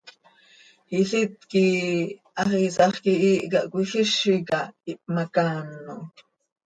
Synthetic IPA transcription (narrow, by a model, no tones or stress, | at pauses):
hiɬit̪̚kiʔɑχisɑχkiʔiːʔkaʔkʷixiʃikɑip̚ʼmakaːnːo